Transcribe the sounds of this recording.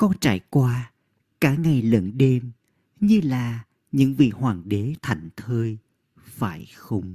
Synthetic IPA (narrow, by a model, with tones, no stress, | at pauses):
kɔ˧nt͡ɕaː˧˩jkwaː˧ | kaː˧˥˩ŋa˨˩jlə˧˩nɗe˧m | ɲɨ˧laː˨˩ | ɲɨ̰˧˥ŋvḭ˨əkhwaː˨˩ŋɗe˨˦t̪ʰa˧˩jŋ̟t̪ʰəː˧j | faː˧˩jxə˧wŋ͡m